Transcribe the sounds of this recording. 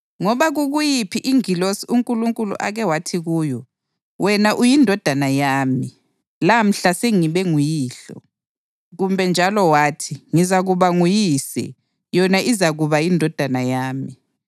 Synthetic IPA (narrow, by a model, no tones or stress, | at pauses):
ŋɔβaɣuɣujipʰiʔiŋilosiuŋkʼuluŋkʼulṵʔa̰ɣɛwatʰiɣuːjɔ | wɛnaʔujindʱɔd̥ʱanajaːmi | lam̩ɬaseŋiβɛŋujiːɬɔ̰ | ɣumbʱɛnd͡ʒʱalɔwaːtʰiŋizaɣuβaŋujisɛ̰ | jɔnaʔizaɣuβajindʱɔd̥ʱanajaːmi